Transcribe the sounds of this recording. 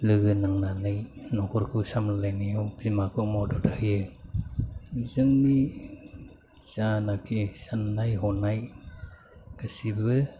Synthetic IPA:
lɯɡɯnaŋnanɯjnɔkʰɔɾkʰɯsamlalajnijɔwbimakʰɯmɔdɔthɯjɯ | zɯŋni | z̥anak̚tʰisanːajɦɔnaj | ɯsibɯ

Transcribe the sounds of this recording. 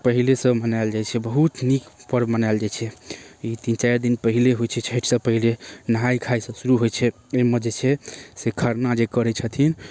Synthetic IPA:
pəɦilesə̃mənaɪld͡ʒajt͡ʃʰɛbəɦut̪nikpəɾmənaeld͡ʒajt͡ʃʰɛit̪int͡ʃajɾd̪inpəɦileɦojt͡ʃʰɛt͡ʃʰeʈʰsəpəɦilenəɦajkʰajsə̃suɾuɦojt͡ʃʰɛ | eməd͡ʒet͡ʃʰɛsekʰəɾnad͡ʒekəɾɛt͡ʃʰət̪ʰin

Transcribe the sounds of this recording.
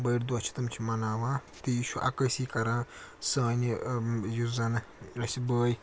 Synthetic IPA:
bəjɾd̪uɐt͡ʃʰi̥t̪umt͡ʃʰimɐnaːʋãːt̪ijiʃuʔɐ̰kəsiːkɐɾasɐːnijuzɐnɾɐsʲibəːj

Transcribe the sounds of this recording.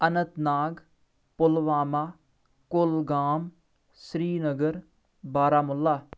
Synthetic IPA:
ənət̪naːɡ | pʊlʋaːmaː | kʊlɡaːm | sɾiːnəɡəɾ | baːɾaːmʊlːaː

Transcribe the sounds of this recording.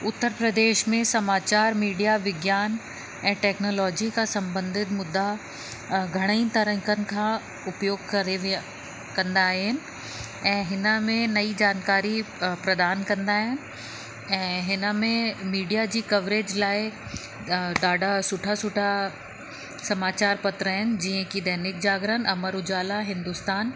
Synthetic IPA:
ʊt̪ːəɾpɾɐd̪eːʃmẽsɐmaːt͡ɕaːɾmiːɖijaʋɪɡjaːn | ɛ̃ːʈɛːknoːlɔːd͡ʑikasɐ̃mbə̃nd̪ʱɪt̪mʊd̪ːa | ɡʱɐɽ̃əĩt̪ɐɾə̃ŋkʰənɪ̆kʰãː | ʊpjoːɡ̚kɾeʋ | kɐ̃nd̪aːɦɪnɪ̆ | ɛ̃ːɦɪnə̆mẽnɐid͡ʑaːnkaːɾi | pɾɐd̪aːnkɐ̃nd̪aːɦɪnɪ̆ | ɛ̃ːɦɪnə̆mẽmiːɖijad͡ʑiːkɐʋɾeːd͡ʑlaːɪ | d̪aːɖʱasʊʈʰasʊʈʰa | sɐmaːt͡ɕaːɾpɐt̪ɾəɦɪnɪ̆d͡ʑiːə̃kid̪ɐːnɪk̚d͡ʑaːɡɾənɪ̆ʔɐməɾʊd͡ʑaːlaɦɪ̃nd̪ʊst̪aːn

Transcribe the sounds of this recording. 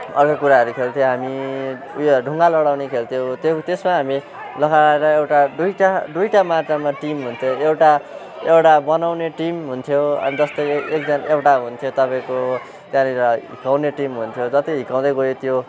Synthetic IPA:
ʌrkokuɾaɦʌɾukʰelt̪ʰjoɦami | ṵjoɖʱuŋɡalʌɽawnekʰelt̪ʰjot̪t̪esmaɦami | lʌkaaeɾʌewʈaɖujʈad̪ujʈamart͡samaʈimɦunt̪ʰjoewʈa | ewʈabʌnawneʈimɦunt̪ʰjoʌ̰nid͡zʌst̪ʌjek̚d͡zʌnaʔewʈaɦunt̪ʰjot̪ʌpaẽko | t̪jãniɾʌɦikaw̃neʈimɦunt̪ʰjod͡zʌt̪iɦikaw̃d̪ʌjɡojet̪ʰjo

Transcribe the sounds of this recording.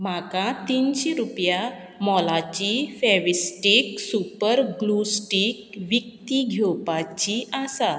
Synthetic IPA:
m̤akãt̪inɕeɾupja | mɔlat͡ɕifɛʋisʈiksupəɾɡlusʈikʋik̚t̪iɡʱɔpat͡ɕiasa

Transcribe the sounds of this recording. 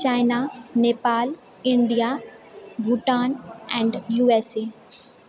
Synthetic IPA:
t͡ʃaːɪnaneːpaːl | ɪ̃ɳɖija | bʱuʈaːnɛ̃ːɳɖjuːeseː

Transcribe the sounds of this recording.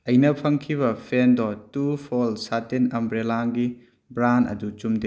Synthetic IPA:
ɐjnɐpʰɐŋkʰiβɐpʰendɔtupʰolsatenɐmbɾelaŋɡi | bɾanɐ̰dut͡ʃumde

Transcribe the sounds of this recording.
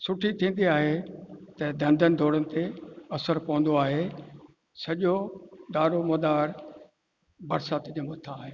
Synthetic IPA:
sʊʈʰit̪ʰĩːn̆d̪iaːɦet̪ɐd̪ɐ̃nd̪ʱənɪ̆d̪ʱoːɽənɪ̆t̪eɐsəɾpɐʋə̃n̆d̪oaːɦe | sɐʄod̪aːɾomɐd̪aːɾ | bɐɾsaːt̪d͡ʑeːmʊt̪ʰːaːɦeː

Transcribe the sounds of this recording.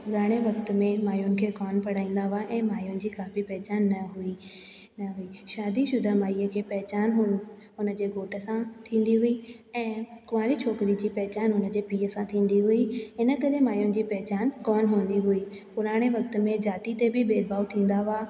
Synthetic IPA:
pʊɾaːɽ̃eʋɐkt̪̆mẽmaːjʊnɪ̆kʰeːkɔːnpɐɽ̤aːĩːn̆d̪aɦʊaʔɛ̃ːmaːjʊnɪ̆d͡ʑiːkaːfipɛɦt͡ɕaːnːɐɦʊi | nɐɦʊiːʃaːd̪iʃʊd̪ʱamaːiːəkʰeːpɛɦɛt͡ɕaːnɦʊ | ɦʊnə̆d͡ʑeːɡʱoːʈə̆sãt̪ʰĩːn̆d̪iɦʊi | ɛ̃ːkʊʋaːlit͡ɕʰoːkɾid͡ʑiːpɛɦɛt͡ɕaːnɦʊnə̆d͡ʑeːpiːəsãt̪ʰĩːn̆d̪iɦʊiɪnə̆kɐɗemaːjʊnɪ̆d͡ʑiːpɛɦɛt͡ɕaːnkɔːnɦun̆d̪iɦʊiː | pʊɾaːɽ̃eʋɐk̚t̪̆mẽd͡ʑaːt̪it̪ebʱɪbeːd̪baːʊt̪ʰĩːn̆d̪aɦaː

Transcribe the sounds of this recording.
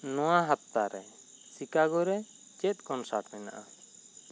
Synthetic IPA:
nɔ̃waɦap̚t̪aɾɛ | sikaɡɔɾɛ | t͡ʃɛt̪̚ˀkɔnsaʈmɛna̰ʔa

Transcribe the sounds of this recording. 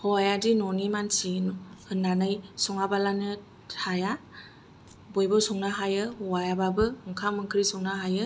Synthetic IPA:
hɔajadinɔnimansinɔhɯndanajsɔŋabalanɯ | aja | bojbɔsuŋnaɦajɯwajababɯɯŋkʰamɯkʰɯɾisuŋnaɦajɯ

